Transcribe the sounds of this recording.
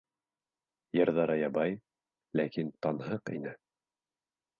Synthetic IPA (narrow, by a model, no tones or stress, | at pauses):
jɤ̆ɾðɑɾɤjɑbɑj | lækint̪ɑnɦɤqḭnɘ